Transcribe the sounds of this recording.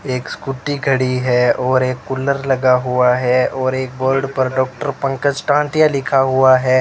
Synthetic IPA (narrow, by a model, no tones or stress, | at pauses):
eːkskuʈiɡʱɐɽiɦɛɔːɾeːkːʊləɾlɐɡaɦuaɦɛɔːɾeːk̚boːlɖpɐɾɖɔːk̚ʈəɾpɐ̃ŋkəd͡ʒʈãːʈɪjalɪkʰaɦʊaɦɛː